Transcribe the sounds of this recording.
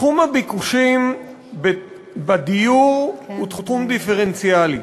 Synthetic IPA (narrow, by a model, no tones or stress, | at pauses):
χumabikuʃim | be | bad̪ijuʁut̪χutχumd̪ifeʁent͡sjali